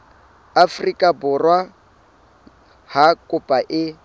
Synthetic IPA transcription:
afrikʼabʊrwa | hakʼʊpʼaʔɪ

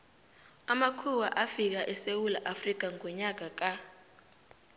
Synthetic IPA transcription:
amakʰuwaʔafik̬aʔɛsewulaʔafrik̬aŋɔɲak̬ak̬a

